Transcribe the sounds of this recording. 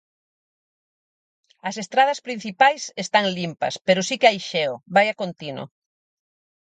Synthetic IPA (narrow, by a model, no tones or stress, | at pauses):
ɐsest̪ɾað̞ɐspɾin̟θipajsest̪aŋlimpɐ̰speɾʊsikeajʃɛoβajɐkont̪inʊ̰